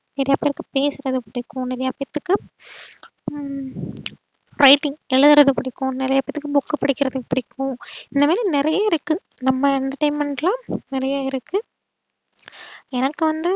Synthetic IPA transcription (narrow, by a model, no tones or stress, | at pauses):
nɪɾɐjaːpeːɾɯkːɯpeːsɯɾɐðɯpɪɽɪkːʊ̃nɪɾɐjaːpɐɐt̪ːɯkːɯ | ɾɐɪʈːɪŋɛɻɯðɯɾɐðɯpʊɽɪkːʊ̃nɪɾɐjaːpɐt̪ːɯkːɯbʊkːɯpɐɽɪkːɪɾɐðɯɪpːɐɽɪkːʊ̃ɪnd̪ɐmaːɾinɪɾɐjaːɪɾɯkːɯnɐmːɐɛɳʈɐʈɐɪnmɛɳʈlãːnɪɾɐjaːɪɾɯkːɯ | ɛnɐkːɯʋɐnd̪ɯ